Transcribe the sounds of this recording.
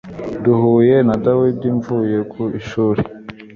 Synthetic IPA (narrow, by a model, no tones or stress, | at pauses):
duhuːje̞nadawidiɱvuje̞kʰuiʃuːɾe